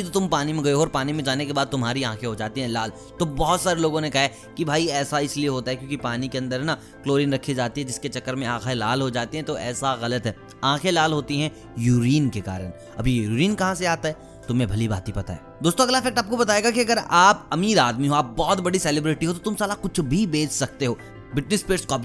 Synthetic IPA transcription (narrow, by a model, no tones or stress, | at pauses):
it̪ot̪ʊmpaːnimẽɡɐeɦoːɾpaːnimẽd͡ʒaːnekebaːd̪̚t̪ʊmɦaːɾiãːkʰeɦod͡ʒaːt̪iɦɛ̃laːl | t̪obɔɦɔt̪saːɾeloːɡõnekɐɦa | kibʱaːiɛːsaɪslieɦoːt̪aɦɛkjõːkipaːnikeɐ̃nd̪əɾɦna | kloːɾɪ̃nɾɐkʰːid͡ʒaːt̪iɦɛ̃d͡ʒɪsket͡ʃɐkːəɾmẽãːkʰalaːlɦod͡ʒaːt̪eɦɛ̃t̪oɛ̰ːsaɣɐlət̪ɦɛː | ãːkʰelaːlɦoːt̪iɦɛ̃ | juːɾiːnkeka̰ːɾə̰n | ɐ̰bʱijuːɾiːnkɐɦãseaːt̪aɦɛ | t̪ʊmẽbʱɐlibaːt̪ɦipɐt̪a̰ɦḛːd̪oːst̪õɐɡlafɛːk̚ʈaːp̚kobɐt̪aːeːɡakiɐɡəɾaːpɐmiːɾaːd̪miɦoaːp̚bɔːt̪bɐɽisɛːlɪbɾɪʈiɦot̪ot̪ʊmsaːlakʊt͡ʃʰbʱibeːt͡ʃsɐk̚t̪eɦoː | bɪʈnɪspeːʈskɔːp